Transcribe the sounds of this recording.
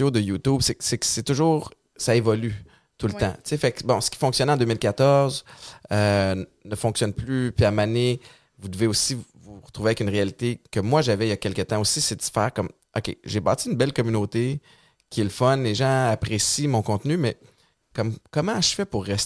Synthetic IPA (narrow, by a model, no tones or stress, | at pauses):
jod̪əjut̪ubsɛsɛkəsɛt̪ʊʒuːʁ | saevɔly | t̪ult̪ã̰t͡sefakbɔ̃sə̥kʲi̥fɔ̃ksjɔnɑ̃d̪øːmɪlkʲat̪ɔʁzønəfɔ̃ksjɔnplypɛʁmane | vud̪əveosivuʁət̪ʁuveaɛkynʁealit̪ekəmwaʒavɛijakʲɛlkət̪ãosised̪sfɛ̰ːʁkɔm | ɔ̰kʲḛʒeba̰ːt͡siynbɛlkɔmynot̪e | kʲʰiɛləfɔnleʒɑ̃apʁesimɔ̃kɔ̃t̪nymɛ | kɔmkɔmãʃfɛpʊʁːɛs